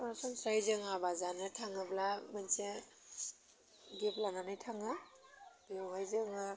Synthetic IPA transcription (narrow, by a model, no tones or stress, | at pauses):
sɔnsajzɯŋabazanɯtʰaŋɯblamanse | ɡeplaŋanɯjtʰaŋɯ | b̥ewhajzɯŋɯ